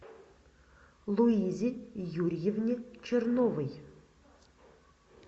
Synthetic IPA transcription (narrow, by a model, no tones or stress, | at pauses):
lˠuizʲɪjuɾʲjɪvnʲɪt͡ʃʰɪrnovɨj